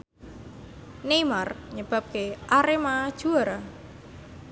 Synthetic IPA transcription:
nejmarɲəb̥a̤p̚keʔaɾemaad̥ʒ̥uaɾa

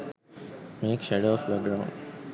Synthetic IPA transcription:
meːkʃɛɖoɔfbɛk̚ɡɾãʊ̃ɳɖ

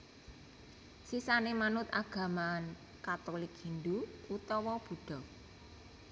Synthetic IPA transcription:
sisanemanʊt̪aɡ̥a̤man | kat̪olɪkɦind̪uut̪ɔwɔb̥ṳɖ̥ɔ̤

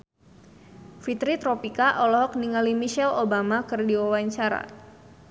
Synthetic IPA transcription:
fit̪ɾit̪ɾopikaʔɔlɔɦɔk̚niŋalimiʃɛlobamakərdiwawaɲt͡ʃaɾa̰

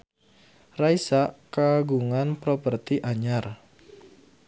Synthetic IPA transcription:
raisaʔkaɡuŋanpɾopərt̪iʔaɲar

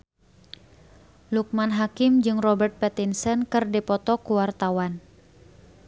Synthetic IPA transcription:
luk̚manɦakɪmd͡ʒɨŋrɔbɛrt̪̚pɛt̪insənkɨrdipɔt̪ɔkuwart̪awan

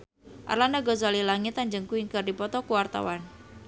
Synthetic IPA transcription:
ʔa̰rlanaɡɔzalilaŋɪt̪aɲd͡ʒəŋkuiŋkərdipɔt̪ɔkuwart̪a̰wan

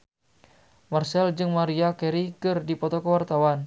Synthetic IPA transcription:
marsɛld͡ʒɨŋmaɾiakɛɾikɨrdipɔt̪ɔkəwart̪awan

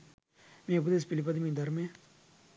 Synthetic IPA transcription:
mẽp̬ud̪es̬pilipɐd̪imĩd̪ɐɾmẽ

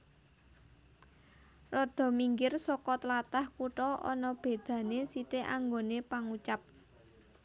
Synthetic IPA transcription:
rɔd̪̥ɔ̤miŋɡɪrsɔkɔt̪əlat̪ahkuʈɔʔɔ̰nɔb̥e̤d̪̥ä̤nesit̪eʔa̰ŋɡonepaŋut͡ʃap̚

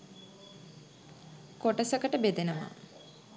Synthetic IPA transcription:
koʈəsəkəʈəbed̪enəʋa̰

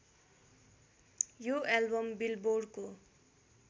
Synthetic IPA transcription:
joelbʌmbilboɖko

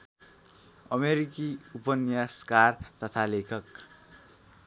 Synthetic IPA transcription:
ʌmeɾikiupʌnjaskart̪ʌt̪ʰalekʰʌk

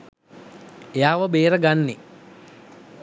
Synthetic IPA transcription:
ejaːʋəbeːɾəɡanːe

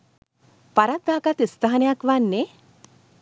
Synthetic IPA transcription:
paɾad̪aːkat̪ist̪aɦanejakʋanːe

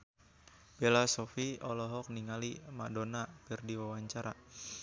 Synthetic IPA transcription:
belasɔfiɔlɔɦɔk̚niŋalima̰donapirdiwawaɲt͡ʃaɾa

